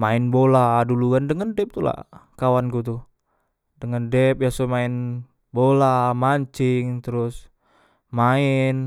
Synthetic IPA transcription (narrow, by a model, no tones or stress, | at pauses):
maɪnboladuluɡandəŋəndɛp̚t̪ula̰kawankut̪u | dəŋəndɛp̚jasomaɪn | bolamaɲt͡ʃɪŋt̪əɾʊs | maɪn